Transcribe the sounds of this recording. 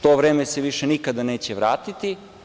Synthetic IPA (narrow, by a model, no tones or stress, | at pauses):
t̪oʋɾeːmeseʋiʃenikad̪aneːt͡ɕeʋɾaːt̪it̪i